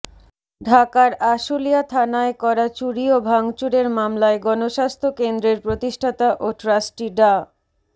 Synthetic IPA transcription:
ɖʱakaɾaʃulijat̪ʰanaekɔɾat͡ɕuɾiobʱaŋt͡ɕuɾeɾmamlaeɡɔnoʃast̪ʰokend̪ɾeɾpɾot̪iʃʈʰat̪aʔoʈɾasʈiɖa

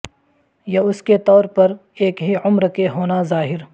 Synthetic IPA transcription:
jaʊsket̪ɔːɾpɐɾ | eːkɦiʊmɾkeɦoːnazaːɦɪɾ

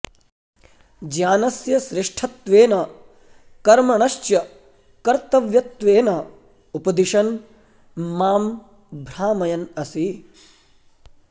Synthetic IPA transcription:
d͡ʒjaːnɐsjɐʃɾɪʂʈʰɐt̪ʋeːnɐ | kɐɾmɐɳɐʃt͡ʃjɐ | kɐɾt̪ɐʋjɐt̪ʋeːnɐ | upɐd̪iʃɐn | maːm | bʱɾaːmɐjɐnɐsi

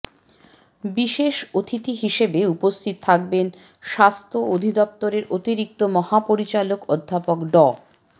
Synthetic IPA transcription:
biʃeʃot̪ʰit̪iɦiʃebeupost̪ʰit̪ot̪ʰak̚ben | ʃast̪ʰood̪ʱid̪ɔp̚t̪oɾeɾot̪iɾik̚t̪omɔhapoɾit͡ɕalokod̪ʱːapokɖɔ

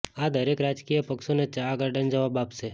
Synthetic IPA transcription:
ad̪ʱəɾekɾad͡ʒkijəpəkʃonet͡ʃaɡəɾɖənd͡ʒəʋabapse

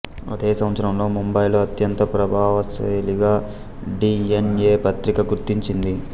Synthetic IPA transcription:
ɐ̰d̪eːsɐ̃mɐsʰɐɾɐmlo̞ːmumbɐjloɐt̪jɐnt̪ɐpɾɐbʱaːʋɐsɐ̰jliɡaː | ɖiːenjeːpɐt̪ɾikɐɡuɾt̪iɲt͡ʃind̪i

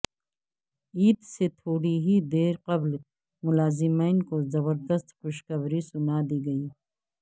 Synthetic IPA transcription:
iːt̪set̪ʰoːɽiɦid̪eːɾqɐbl | mʊlaːzɪmaːnkozɐbəɾd̪əst̪xʊʃkɐbɾisʊnad̪iːɡɐiː

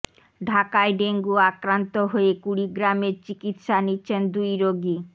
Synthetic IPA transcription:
ɖʱakaeɖeŋɡuakɾant̪oɦoekuɽiɡɾameɾt͡ɕikit̪ʃanitːɕʰend̪ujɾoɡi

